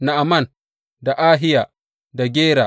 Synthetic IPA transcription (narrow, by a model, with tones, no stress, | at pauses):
naʔa˨man | da˨ʔaːɦi˦ja˨ | daɡɛː˦ɾa